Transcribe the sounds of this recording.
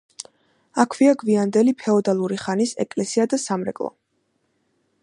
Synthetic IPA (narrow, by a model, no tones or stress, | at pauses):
akʰviaɡviand̪ɛlipʰɛɔd̪alˠuɾiχanisɛ̰kʼlɛsiad̪asamɾɛ̰kʼlˠɔ̰